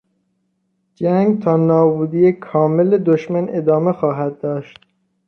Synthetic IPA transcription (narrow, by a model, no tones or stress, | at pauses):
d͡ʒæŋɡt̪ʰɒːnɒːbuːd̪ijekʰɒːmeled̪oʃmæned̪ɒːmexɒːɦæd̪̚ːɒːʃt̪̚